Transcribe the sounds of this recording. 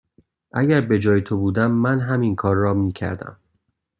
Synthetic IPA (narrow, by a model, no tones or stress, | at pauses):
ʔæɟæɾbe̞d͡ʒɒːjet̪ʰo̞buːd̪æmːænɦæminkʰɒːɾːɒːmiːcʰæ̰ɾd̪æ̰m